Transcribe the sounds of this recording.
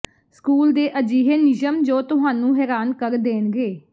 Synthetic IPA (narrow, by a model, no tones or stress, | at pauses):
skuːld̪eːʔəd͡ʒiːɦeːnɪd͡ʒəmd͡ʒoːt̪ʊɦaːnũːɦɛːɾaːnkəɾd̪eːnɡeː